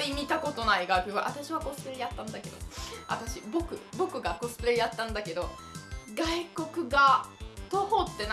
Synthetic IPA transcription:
ɾʲimʲit̪ako̞t̪o̞naiɡakʲɯβa̰ʔat̪aɕiβako̞sɨ̥pɯɾejat̪ːãnd̪ake̞d̪o̞̰a̰t̪aɕibo̞kɯ̟bo̞kɯ̟ɡako̞sɨ̥pɯɾejat̪ːãnd̪ake̞d̪o̞ | ɡaiko̞kɯ̟ɡat̪oho̞t̪ːe̞n

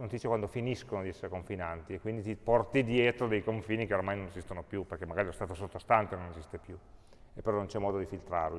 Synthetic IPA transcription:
not̪iit͡ʃːjekwand̪ofiniskonod̪iɛsːeɾekoɱfinant̪iekːwind̪it̪ipɔrt̪id̪jɛːt̪ɾod̪ejkoɱfiːnikeoɾamajnonezist̪onopjuperkemːaɡaːɾiɛst̪aːt̪osot̪ːost̪ant̪enonezist̪epju | epːeɾɔnont͡ʃɛmːɔːd̪od̪ifilt̪ɾa̰ɾ

